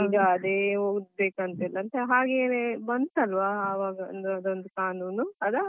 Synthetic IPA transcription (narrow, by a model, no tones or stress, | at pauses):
iːɡɐːd̪eːɦoːɡd̪̚beːkɐnt̪ɐilːɐnt̪eɦaːɡeːnebɐnd̪t̪ɐlʋaːʋaːɡɐnd̪ɐd̪ond̪ukaːnuːnuɐd̪ɐ